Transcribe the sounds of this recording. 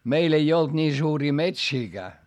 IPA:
meil ei old̥ nʲiː suːriː metsiːɡ̊æː

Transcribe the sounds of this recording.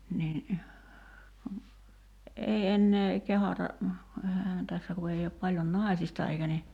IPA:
nin kun ei enːeː kehɑtɑ ehæhæːn tæsːæ ku ei op pɑljon nɑˑi̞sistɑ eikæ ni

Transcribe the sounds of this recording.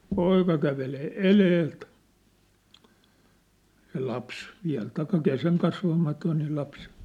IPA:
poikɑ kæʋeleː eleːlt se lɑps ʋiæ̝l tɑikːɑ keseŋkɑsʋɑmɑtoin ni lɑps

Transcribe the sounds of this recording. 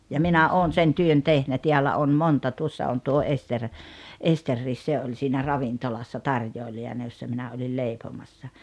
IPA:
jɑ minæ oːn sen tyøn tehnæ tiælːæ on montɑ tuosːɑ on tuo ester esterːiːs se olʲ siːnæ rɑʋintolɑsːɑ tɑrjoˑiliɑnɑ josːɑ minæ olʲil leˑipomɑsːɑ

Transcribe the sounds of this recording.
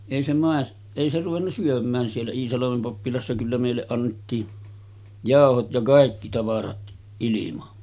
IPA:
eˑi se mɑˑes eˑi se ruʋenːɑ syømˑæːn sielːæ iːsɑlɑmem pɑpːilɑsːɑ kylːæ meˑilːeʔ ʔɑnːetːiː jɑˑohot jɑ kɑˑikːi tɑʋɑrɑt ʔilimɑ

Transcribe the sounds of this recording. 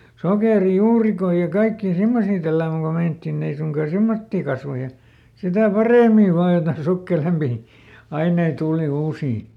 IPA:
sokeˑrijuːrikoi jɑ kɑikːiː simːosiː tælːæːmæŋ ko meinɑ̆tːin ei suŋkɑː semːotːiː kɑsʋɑ jɑ sitæˑ pɑreˑmiʋ̆ ʋɑːj jotɑĭn sukːelempiˑ ɑinei tuːli uːsiː

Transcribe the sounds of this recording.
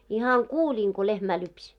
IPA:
ihɑŋ kuːlʲiːŋ ko lehmæː lypsʲ

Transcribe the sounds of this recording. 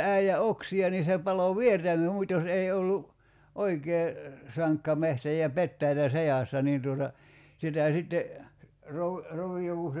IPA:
æˑijæ oksiɑ ni se pɑlo ʋiertæmə mutʲ jos eˑi olːu oikeː sɑŋkːɑ mehtæ jɑ petːæitæ sejɑˑsːɑ niːn tuotɑ sitæˑ sitːe roʋ roʋijo ku se

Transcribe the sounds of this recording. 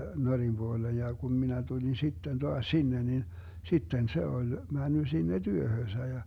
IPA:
norim b̥uoleːj jɑ kun minæ tulʲin sitːen toɑsʲ sinːe nin sitːen se olʲ mænːy sinːe tyøhøːsæ jɑ

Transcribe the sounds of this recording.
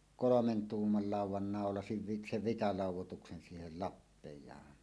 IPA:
kolomen tuːmːɑl lɑˑuwˑɑn nɑˑolɑsiʋ ʋi seʋ ʋitɑlɑˑuwˑotuksen siːhel lɑpːejˑɑːn

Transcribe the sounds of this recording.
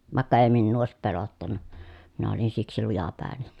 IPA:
ʋɑˑekːɑ eˑi minːuː oˑesip pelotːɑnːɑ minæ olin siksi lujɑpæˑen̥e̥n̥

